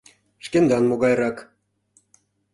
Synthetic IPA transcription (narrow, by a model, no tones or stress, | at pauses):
ʃkend̪ɑnmoɣɑjɾɑk